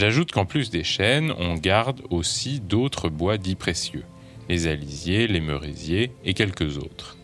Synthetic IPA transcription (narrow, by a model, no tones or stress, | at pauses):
ʒaʒut̪kɑ̃plysd̪eʃɛnɔ̰̃ɡaʁd̪osid̪ot̪χəbwad̪ipχesjø | lezalizjelemøʁḭzjeːkʲɛlkəzo̰ːt̪χ